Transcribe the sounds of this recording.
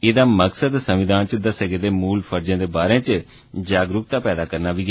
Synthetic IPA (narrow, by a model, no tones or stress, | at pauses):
ɪd̪aːməksəd̪səmʋɪd̪aːnt͡ʃəd̪əsəɡed̪eːmuːlpʰəɾd͡ʒãːd̪eːbaːɾẽːt͡ʃ | d͡ʒaːɡɾʊkt̪aːpɛːd̪aːkəɾnaːʋiː